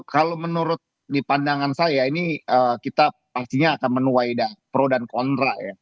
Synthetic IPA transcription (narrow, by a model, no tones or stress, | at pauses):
kalomənuɾʊt̪̚ | dipandaŋansajainiəkit̪apast̪iɲaːkanmənuajdahpəɾodankɔnt̪ɾaja